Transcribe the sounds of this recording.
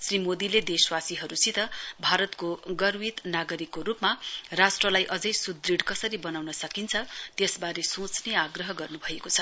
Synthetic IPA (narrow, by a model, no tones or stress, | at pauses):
srimod̪iled̪eswasiɦʌɾusit̪ʌbʱaɾʌt̪koɡʌrwit̪naɡʌɾikːoɾupmarasʈrʌlajʔʌd͡zʌjsud̪riɽkʌsʌɾibʌnawnʌsʌkint͡sʰʌt̪esbaɾesõt͡sneaɡrʌɦʌɡʌrnubʱʌekot͡sʰʌ